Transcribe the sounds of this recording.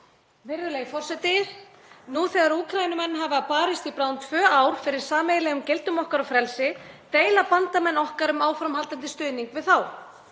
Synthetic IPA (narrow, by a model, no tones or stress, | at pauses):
vɪɾðʏlejɣfɔr̥sɛt̪ɪɾ̥ | nuθɛːɣaɾuːkʰɾajnʏmɛnːɦavɪapaːɾɪst̪ipɾawnt̪ʰvœːawɾ̥fɪɾɪɾ̥saːmejlɛɣʏmcelt̪ʏmɔhkaɾawfɾɛlsɪt̪eːjlapant̪amɛnːɔhkaɾʏmaːwfɾamhalt̪ant̪̬ɪst̪ʏːniŋkvɪðθaw